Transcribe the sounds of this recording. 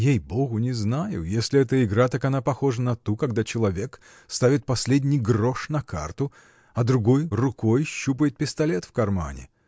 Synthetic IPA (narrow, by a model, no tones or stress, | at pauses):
jejboɣʊnʲɪznajʊ̰jesʲlʲɪɛt̪əɪɡɾat̪akɐnapɐxo̞ʐənɐt̪ukɐɡd̪at͡ɕɪlˠɐvʲe̞k | st̪avʲɪt̪̚pɐsʲlʲedʲnʲɪjɡroʂnɐkʰa̰rt̪ʊ | ɐd̪ɾʊɡo̞jrʊkojɕːupəjɪt̪̚pʲɪst̪ɐlʲet̪fkɐrma̰nʲɪ̰